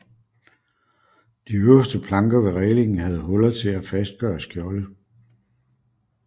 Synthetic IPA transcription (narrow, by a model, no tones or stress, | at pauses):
d̥iøɐsd̥əpʰlɑ̈ŋɡ̥ɐʋe̝ʁɛːle̝ŋn̩ɦæð̞̩ˠɦɔ̽lɐðˠt͡sʰe̝læfæsd̥̚ɡ̥ɶ̰ːɐsɡ̥jɒ̽lə